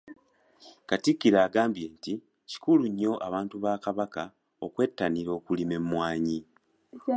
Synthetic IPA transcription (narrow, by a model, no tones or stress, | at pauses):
katikːiɾaːɡaːmbjeːnti | ci̥kuluɲːo̞ʔaβaːntuβaːkaβaka | okwe̞ːtːaniɾo̞ːkulime̞mwaːɲi